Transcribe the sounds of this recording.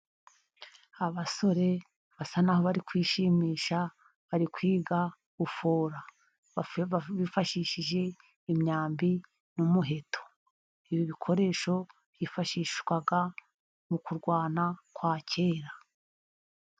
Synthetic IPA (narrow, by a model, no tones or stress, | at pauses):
aβaso̞ɾe̞ | βasanaɦoβaɾikwiːʃimiːʃa | βaɾikwiːɡa | ɡufoːɾa | βifaʃiːʃiʒe̞ | imɲaːmbi | numuɦe̞tʰo̥ | iβiβikʰo̞ɾe̞ːʃo̞ | β̥jiːfaʃiːʃwaɡa | mukuɾɡwaːnakwaːcʰe̞ːɾa